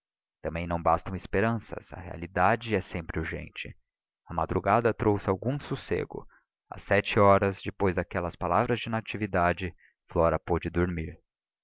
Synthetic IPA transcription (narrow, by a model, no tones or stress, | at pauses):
t̪ɐ̃mbẽj̃nɐ̃w̃bast̪ɐ̃w̃ɪspeɾɐ̃sɐ̰sɐ̰hḛa̰lid̪ad͡ʒɪɛsẽmpɾɪuɾʒḛ̃nt͡ʃɪ | ɐma̰d̪ɾuɡad̪ɐt̪ɾowsɪawɡũsusḛɡʊ̰ | ɐ̰sːɛt͡ʃɪɔɾɐzd͡ʒɪpojzd̪akɛlɐspalavɾɐzd͡ʒɪnat͡ʃivid̪ad͡ʒɪ | flɔɾɐpod͡ʒɪd̪oɾmiɾ